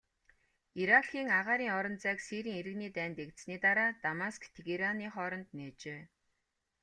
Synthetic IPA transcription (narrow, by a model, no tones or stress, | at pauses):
iɾaxiːŋaʁaːɾiːŋɔɾɞ̆nt͡sæːksiːɾiːŋeɾɘ̆ɣniːt̪æːnt̪ekt̪sniːt̪aɾaːt̪amaskt̪ʰeɣeɾaniːχɔɾɞ̆nt̪neːt͡ɕeː